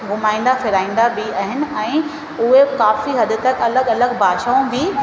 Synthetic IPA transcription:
ɡʱʊmaːɪ̃n̆d̪afɪɾaːĩːn̆d̪abiaːɦɪnɪ̆ɛ̃ː | ʊɦekaːfiɦɐd̪ʊ̆t̪ɐkɐləɡɐləɡbʱaːʃaːũbɪ

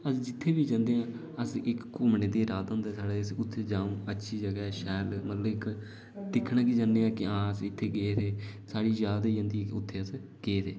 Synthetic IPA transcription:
əsd͡ʒɪt̪ʰːeːbiːd͡ʒãːnd̪eːãː | əsɪkːʊmneːd̪eːɾaːd̪õːnd̪eːsaːɽeːəsʊt̪ʰːeːd͡ʒaːũːətːʃʰiːd͡ʒəɡɛːʃɛːlmət̪ləbɪk | d̪ɪkʰːɳãːk̬iːd͡ʒãːnd̪eːãːkɪãːəsɪt̪ʰːeːɡeːɾeːsaːɽiːd͡ʒaːd̪aid͡ʒãːnd̪ikʊt̪ʰːeːəs | ɡeːɾeː

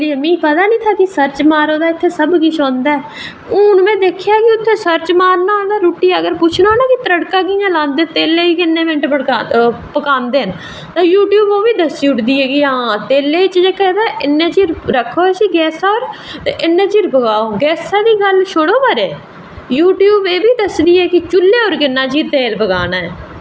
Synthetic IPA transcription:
liːəmĩːpət̪aːnĩːt̪ʰaːkɪsəɾt͡ʃmaːɾõːd̪aːɪt̪ʰːeːsəbkɪʃʰõːnd̪aːɛː | ʊʊnmɛ̃ːd̪eːkʰjaːkɪʊt̪ʰːeːsəɾt͡ʃmaːɾnaːõnd̪aːɾuːʈiːəɡəɾpʊt͡ʃʰnãːnaːkɪt̪əɾəɽkãːkiːjãːlãːnd̪eːt̪eːleːiːkɪnːẽːʋẽɳʈpəɽapəkaːnd̪eːən | t̪ãːjuːʈjuːboːʋiːd̪əsiːʊʈd̪iːɛːɡiãːt̪eːleːɪt͡ʃd͡ʒeːkɛd̪aːʔɪnːẽːt͡ʃiːɾɾəkʰːoːsiːɡɛːsɔːɾɪnːẽːt͡ʃiːɾpəɡaːoːɡɛːsaːd̪iːɡəlʃʰʊɽoːbəɾeː | juːʈjuːbeːbiːd̪əsd̪iːɛːkɪt͡ʃʊlːeːɦoːɾkɪnːãːt͡ʃiːɾt̪eːlbəɡaːnaːɛː

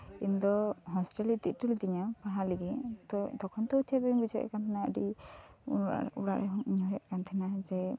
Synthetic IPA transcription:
ḭnd̪ɔɦɔsʈelit̪it̪̚t̪uld̪iɲapaɦaliɡɛt̪ɔd̪ɔkʰɔnt̪ɔut̪ʰijabɛbisɔj̰ʔɛ̰kant̪ʰɛnaə̰ɖi | a̰uɽa̰ʔɛɦɔɲɔɦɛʔkant̪ʰɛnad͡ʒɛ

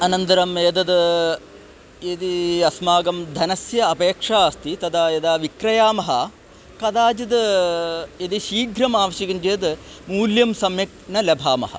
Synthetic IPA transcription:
ɐnɐnt̪ɐɾɐmeːd̪ɐd̪ | ed̪iɐsmaːɡɐmd̪ʱɐnɐsjɐɐpeːkʂaːst̪it̪ɐd̪ʰaːjɐd̪aːʋikɾɐjaːmɐɦɐ | kɐd̪aːd͡ʒɐd̪ | ed̪iʃiːɡʱɾɐmaːʋɐʃɐɡɐnd͡ʒeːd̪ | muːljɐmsɐmjɐk̚nɐlɐbʱaːmɐ̰ɦɐ̰

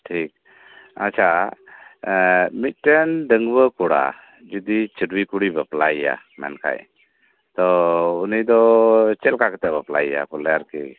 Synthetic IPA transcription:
ʈʰik̚ | ə̰t͡ʃʰa | mit̪̚ʈɛnɖəŋɡbəkɔɽa̰ | d͡ʒud̪it͡ʃəɖwikuɽibəplaija̰ | mɛ̰nkʰa̰j | t̪ɔunijd̪ɔt͡ʃɛlkakɛt̪ɛbəplaija̰kɔlɛjaɾkɛ

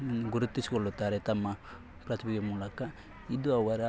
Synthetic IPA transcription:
nːɡuɾut̪ːisi̥koɭːut̪ːaːɾet̪ɐmːɐ | pɾɐt̪ʰimiɡemuːlɐkɐ | id̪uɐʋɐɾɐ

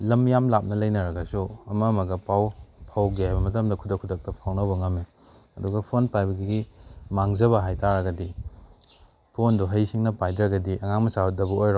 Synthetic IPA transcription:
lɐmjamlap̚nɐlɐjnɐɾɐɡɐsuɐmɐmɐɡɐpawpʰawɡiajbɐmɐtɐmdɐkʰudɐkʰːudɐk̚tɐpʰawnɐwbɐŋɐme | ɐduɡɐpʰonpajbɐɡiɡimaŋzɐβɐɦajtaɾɐɡɐdi | pʰonduɦɐjsiŋnɐpajdɾɐɡɐdiʔɐŋaŋmɐsaudɐbɐojɾo

